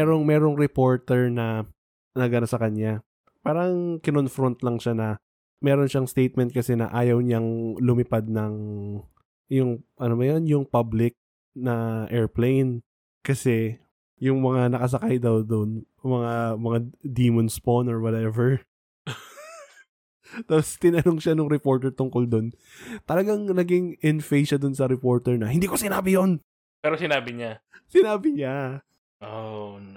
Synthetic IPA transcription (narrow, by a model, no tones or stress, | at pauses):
ɛɾoŋmɛːɾo̞ŋɾɛpo̞ɹt̪ɛɹnɐ | nɐɡɐnasɐkɐɲja | paːɾɐŋkɪnonfɾont̪lɐŋʃanɐ | mɛːɾo̞nʃaŋst̪ejt̪̚mɛnt̪̚kɐsɛnɐ̰ʔaːjɐwɲaŋlʊmɪpad̪̚nɐŋ | jʊŋʔɐnobɐjonjʊŋpablɪk̚ | nɐʔɛɹplejn | kɐsɛ | jʊŋmɐŋanɐkɐs̬ɐkajd̪ɐwd̪on | mɐŋamɐŋad̪iːmonsponoɹwɐt̪ɛvɛɹ | t̪aːpost̪ɪnɐnoŋʃanʊŋɾɛpo̞ɹt̪ɛɹt̪ʊŋkold̪o̞n | t̪ɐlɐɡaŋnɐɡɪŋʔɪnfejʃɐd̪onsɐɾɛpo̞ɹt̪ɛɹnɐhɪnd̪iːkosɪnaːbɪjon | pɛːɾosɪnaːbɪɲasɪnaːbɪɲa | ʔo